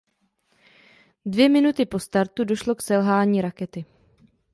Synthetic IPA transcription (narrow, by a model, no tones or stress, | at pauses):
dvjɛmɪnut̪ɪpo̞st̪aɾt̪udo̞ʃlo̞ksɛlɦaːɲiːɾakɛt̪ɪ